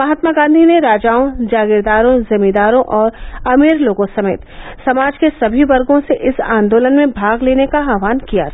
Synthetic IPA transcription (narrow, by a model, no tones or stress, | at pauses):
mɐɦət̪maɡãːnd̪ʱineɾaːd͡ʒaːõd͡ʒaːɡɪɾd̪aːɾõzɐmid̪aːɾõʔɔːɾɐmiːɾloːɡõsɐmḛːt̪sɐmaːd͡ʒkesɐbʱiʋɐɾɡõseʔɪsã̰ːnd̪oːlənmẽbʱaːɡleːnekaɦaːʋaːnkija̰